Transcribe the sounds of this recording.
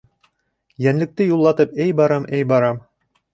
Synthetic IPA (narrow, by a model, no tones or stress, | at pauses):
jænlɘ̆k̚t̪ɘjulˠːɑt̪ɤpæjbɑɾɑmʔæjbɑɾɑm